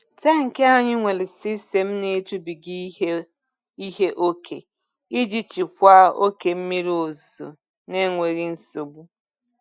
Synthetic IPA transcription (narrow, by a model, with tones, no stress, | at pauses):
ta˦ŋ̩˨ke˦a˦ɲɪ˦ŋʷe˨lɪ˨si˦se˨m̩˦ne˦tu˦bi˨ɡi˦ | i˦ɦe˦ʔo˦kʰḛ˨ | i˦d͡ʒi˦t͡ʃi˨kʷa˦o˦ke˨m̩˦mi˦ɾi˦o˨zo̰˨ | ne˦ŋʷe˨ɾi˦n̩˦so˨ɡ͡bu˦